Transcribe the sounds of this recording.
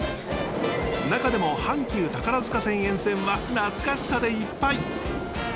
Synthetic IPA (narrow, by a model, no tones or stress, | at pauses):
nakad̪e̞mo̞hãŋkʲɨːt̪akaɾazɨkasẽ̞ɰ̃ẽ̞ɰ̃sẽ̞ɰ̃βanat͡sɨ̥kaɕi̥sad̪e̞ipːai